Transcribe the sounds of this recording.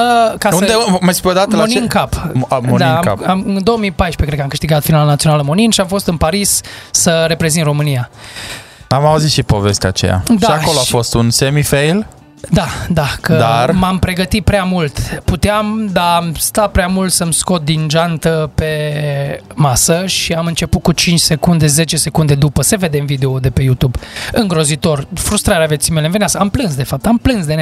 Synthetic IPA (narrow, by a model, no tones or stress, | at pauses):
əkaund̪emajspeod̪at̪əlaoninkapmond̪akapamɨnd̪o̞wəmijpajʃpekɾekamkɨʃt̪iɡat̪finalanat̪sio̞naləmo̞ninʃiamfo̞st̪ɨnpaɾisːəɾe̞pɾe̞zint̪rɾo̞mɨnija | amauzit̪ʃipo̞ve̞st̪ea̰t͡ʃḛja̰d̪ʃaiako̞loafo̞st̪unsemifejl | d̪ad̪akəd̪armampɾe̞ɡət̪it̪̚pɾeamult̪put̪eamd̪amst̪apɾeamult̪səmsko̞t̪̚d̪inʒant̪əpe̞ | masəʃiamɨnt͡ʃe̞put̪̚kut͡ʃint͡ʃʲse̞kund̪e̞ze̞t͡ʃe̞se̞kund̪e̞d̪upəseve̞d̪e̞mvid̪e̞o̞d̪e̞pe̞jut̪ubɨŋɡɾo̞zit̪o̞rfɾust̪ɾaɾeavet̪simelenveneaskəamplɨnsd̪e̞fap̚t̪amplɨnsd̪e